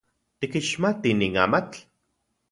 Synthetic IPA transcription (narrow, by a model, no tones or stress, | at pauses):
t̪ikiʃmat̪iniːŋaːmat͡ɬ